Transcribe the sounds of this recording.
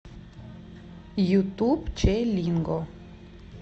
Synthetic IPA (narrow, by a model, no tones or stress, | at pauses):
jut̪ubt͡ɕelʲiŋɡo